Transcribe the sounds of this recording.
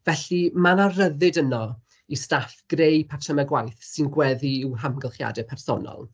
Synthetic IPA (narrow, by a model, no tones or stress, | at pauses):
vɛɬimanarəðɨdənɔ | istafɡ̥rejpʰatʰəməɡwajθsɪnɡwɛðiːwɦamɡəlˠχja̰dɛpʰɛrsɔ̰nɔ̰lˠ